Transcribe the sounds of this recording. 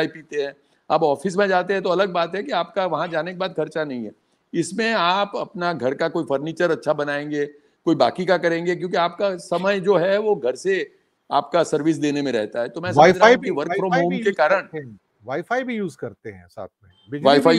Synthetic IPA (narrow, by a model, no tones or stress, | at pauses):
ipiːt̪eɦɛ̃ː | ɐbɔːfɪs̬mẽd͡ʒaːt̪eɦɛ̃t̪̬oɐləɡ̚baːt̪ɦɛ̃kiaːp̚kaʋɐɦãd͡ʒaːnekebaːt̪̚kʰɐɾt͡ʃanɐɦĩɦɛ | ɪsmẽaːpɐpnaɡʱɐɾkakoːifɐɾniːt͡ʃəɾɐtːʃʰabɐnaːẽːŋɡe | koːibaːkikakɐɾẽːŋɡek̬jõːkiaːp̚kasɐməjd͡ʒoːɦɛʋoɡʱɐɾse | aːpkasɐɾʋɪs̬d̪eːnemẽɾɛ̰ɦt̪aɦɛt̪omɛ̃sɐɾãkiʋɐɾkfɾɔ̃ːmɦoːmkekaːɾəɽ̃ | ʋaːifaːibʱijuːzkɐɾt̪eɦɛ̃sa̰ːt̪̚ʰmẽbɪʋaːifaː